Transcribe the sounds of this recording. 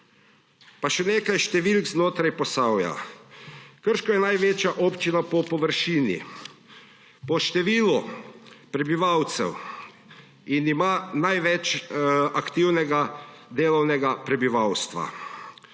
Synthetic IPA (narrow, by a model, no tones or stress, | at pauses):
paʃɛneːkajʃt̪ɛʋilkznoːt̪ɾajpɔsawja̰ | kəɾʃkɔjɛnajʋeːt͡ʃjaʔoːpt͡ʃinapɔpɔʋəɾʃiːnḭ | pɔʃt̪ɛʋiːlupɾɛbiʋawt̪sɛ̰w | inimaːnajʋɛt͡ʃakt̪iwnɛɡad̪eːlɔwnɛɡapɾɛbiʋawst̪ʋa̰